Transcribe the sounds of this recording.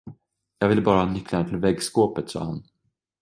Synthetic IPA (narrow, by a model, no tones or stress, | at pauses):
jɑːɡvɪlːbɑːɾahɑːnʏkʰːlanət̪ʰɪlvɛɡskoːpət̪sɑ̰ːha̰n